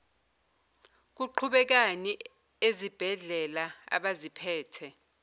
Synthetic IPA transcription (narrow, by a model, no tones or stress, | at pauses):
k̬uǃʰuɓɛk̬ani | ezib̥ʱɛɮɛlaa̰ɓazipʰɛːtʰɛ